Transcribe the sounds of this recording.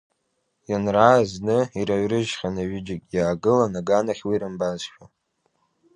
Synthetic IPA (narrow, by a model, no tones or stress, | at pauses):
janraːznɨiɾaɥrɨʒχʲanaɥɪd͡ʒɪkʲʼjaːɡɨlanaɡanaχʲwiɾɨmbazʃᶣa